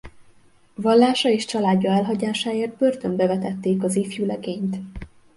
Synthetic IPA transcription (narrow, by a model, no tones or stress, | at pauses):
vɒlːaːʃɒeːʃt͡ʃɒlaːdɟːɒɛlɦɒɟaːʃaːeːrd̪̚bø̞rt̪ømbɛvɛt̪ɛt̪ːeːkɒziːfjulɛɡeːɲt̪